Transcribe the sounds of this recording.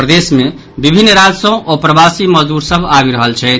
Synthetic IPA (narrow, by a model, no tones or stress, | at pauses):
pɾəd̪esme | bibʱinːɾad͡ʒsə̃ʔopɾəbasiməɦd̪uɾsəbʱabiɾəɦəlt͡ʃʰɛt̪